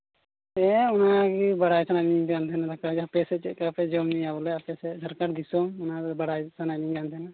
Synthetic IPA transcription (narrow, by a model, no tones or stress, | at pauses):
ɛunakibaɽajsananiɡant̪ʰɛnad̪akad͡ʒapɛsɛt͡ʃɛt̪̚kɛapɛd͡ʒɔmniabɔlɛapɛsɛsəɾkaɾd̪isɔmunabaɽajsanajniŋɡant̪ʰɛna